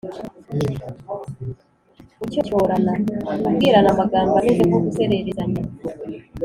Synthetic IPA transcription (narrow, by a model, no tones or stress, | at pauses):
ucocoːɾanaabɡiːɾanaβaɡaːmbanezekokuseɾeɾeɾani